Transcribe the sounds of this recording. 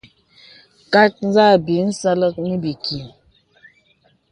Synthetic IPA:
ka˦t̚n̩˦za˦˨bi˨˦n̩˦sa˦lə˦k̚ni˦bi˨ki˨

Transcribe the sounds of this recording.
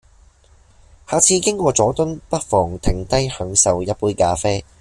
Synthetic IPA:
haː˨˩t͡sʰiː˧kɪ˥ŋkʷɔː˧t͡sɔː˨˥t̪ɵ˥npɐ˥t̚fɔː˨˩ŋt̪ʰɪ˨˩ŋt̪ɐ˥jhœː˨˥ŋsɐ˨wjɐ˥t̚puː˧˥jkaː˧feː˥

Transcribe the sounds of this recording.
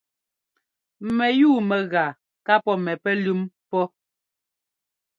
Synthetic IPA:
mɛ˨juː˦˨mɛ˨ɣa˨ | ka˦pɔ˦mɛ˨pɛ˦lʉ˦mpɔ˦

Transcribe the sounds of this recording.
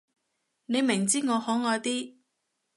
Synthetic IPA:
ne˨˧jmɪ˨˩ŋt͡siː˥ŋɔː˨˧hɔː˨˥ŋɔː˨˧t̪iː˥

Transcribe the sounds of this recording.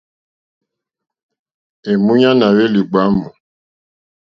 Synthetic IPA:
e˨mũ˦ɲa˦na˨ɾe˦li˨ɡ͡ba˨˦mu˨

